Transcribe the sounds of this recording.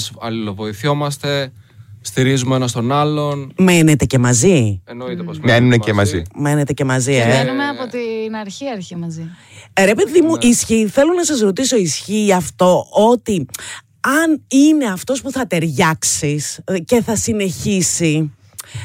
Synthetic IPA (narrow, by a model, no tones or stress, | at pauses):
sɐlilovo̞iθo̞mɐst̪e̞ | st̪iɾizumenɐst̪o̞nɐlo̞nme̞ne̞t̪e̞ce̞mɐzinmenunecemɐzime̞ne̞t̪e̞ce̞mɐzienumeɐpot̪inɐɾçiɐɾçimɐzi | ɾe̞pe̞ðimuʔisçiθe̞lonɐsɐzɾo̞t̪iso̞isçiɐft̪o̞ʔot̪i | ɐnine̞ɐft̪o̞spuθɐt̪e̞ɾʝɐksisce̞θɐsine̞çisi